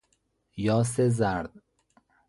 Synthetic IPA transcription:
jɒːs̬ezæɾd̪̥̚

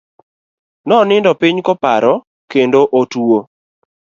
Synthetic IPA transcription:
nɔnɪndɔpɪɲkɔpaɾɔ | kendoʔotuo

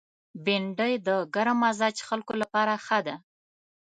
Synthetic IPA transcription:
bɪɳɖəjd̪əɡaɾamazɑd͡ʒxalkolapɑɾaxəd̪a

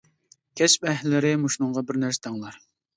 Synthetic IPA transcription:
kʲʰɛspɛɦlːɪɾɪmuʃnʊɴʁɑbɪɾnæɾsɛ̥t̪ʰɑŋlˠɑɾ

